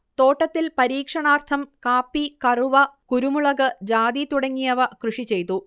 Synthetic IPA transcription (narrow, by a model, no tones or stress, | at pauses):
t̪o̞ːʈːɐt̪ːilpɐɾiːkʂɐɳaːrt̪ʰɐmkaːpːikɐruʋɐkuɾumuɭɐɣɐd͡ʑaːd̪it̪uɽɐŋːijɐʋɐkrɨʂit͡ɕe̞jt̪ːu